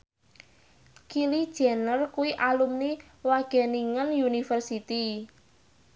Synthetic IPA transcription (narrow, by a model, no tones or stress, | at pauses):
kilid̥ʒ̥ɛ̤nərkuwiʔalumni | waɡ̥ɛ̤niŋənjunifərsit̪i